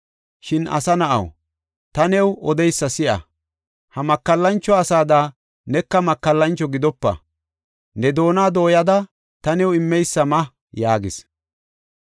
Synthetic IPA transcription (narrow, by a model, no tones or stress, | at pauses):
ʃɪnɐ̰sɐnɐʔɐ̰w | t̪ɐnɛwʔɔd̪ɛjsːɐsɪʔɐ̰ | hɐmɐkːɐlːɐnt͡ʃːɔɐsaːd̪aː | nɛkːɐmɐkːɐlːɐnt͡ʃːɔɡɪd̪ɔpːɐ̰ | nɛd̪o̞ːnaːd̪o̞ːjɐd̪ɐ | t̪ɐnɛwɪmːɛjsːɐmɐ | jaːɡɪs